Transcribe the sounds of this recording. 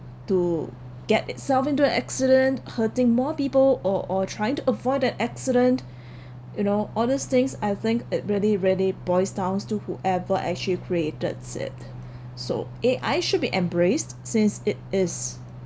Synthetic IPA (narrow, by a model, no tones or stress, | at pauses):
tu | ɡ̥ɛtɪtsɛlfɪ̃ntuə̃nʔæ̰ksɪɾə̃nthətɪ̃ŋmɔpiːpəlɔʔɔtʰɹ̥aɪɪ̃ŋtuəvɔɪdɛ̃nɛksɪɾə̃nt | junoʔɔlˠdist̪ɪ̃ŋsaɪθɪ̃ŋkɪt̚ɹiəliɹiəlibɔɪsdãʊ̃nstuhuʔɛvəʔɛ̰k̚t͡ʃəlikʰɹietə̰dsɪ̰t̚ | so̰ʔeʔaɪʃʊd̚biʔɛ̃mbɹestsɪ̃nsɪt̚ɪs